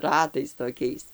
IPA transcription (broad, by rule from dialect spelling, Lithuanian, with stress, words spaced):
ˈrɑːtɐɪs toːˈkʲɛɪs